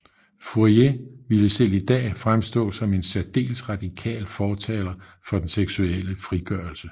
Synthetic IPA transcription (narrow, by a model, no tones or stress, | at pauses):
fuɐje̝ʋiləsel̰id̥ɛ̰ːfʁamsd̥ɔ̰̽ːsɒ̽me̝nsæd̥e̝̰ːlsʁɑ̈d̥ikʰɛ̰ːlfɒːt͡sʰɛːlɐ | fɒ̽d̥enseɡ̥sueləfʁiɡ̥ɶːɐlsə